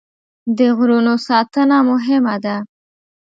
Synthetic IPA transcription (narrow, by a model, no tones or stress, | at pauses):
d̪əɣɾunosɑt̪ənamʊɦɪmad̪a